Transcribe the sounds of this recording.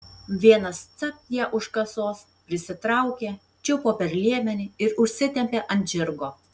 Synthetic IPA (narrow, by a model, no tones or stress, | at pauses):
ʋʲiɛnɐst̪sɐp̚jiɛʔʊʃkɐsoːs | pʲɾʲɪsʲɪt̪ɾɐˑʊkʲeː | t͡ʃʲɛʊpoːpʲɛɾʲlʲiɛmʲɛnʲɪɪɾʊʃʲsʲɪt̪ʲɛmʲpʲeːʔɐnʲt̪ʲʒʲɪɾɡoː